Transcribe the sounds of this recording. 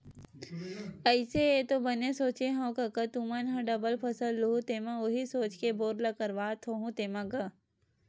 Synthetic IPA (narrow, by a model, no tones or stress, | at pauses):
ɐɪseet̪obɐnesoːt͡ʃeɦõːkɐkət̪ũmɐnɦɐ̃ɖɐbəlpʰɐsəlːuɦut̪emɐ̃oɦisoːt͡ʃkeboːɾlɐkɐɾʋaːt̪ʰoɦũt̪eːmɐ̃ɡɐ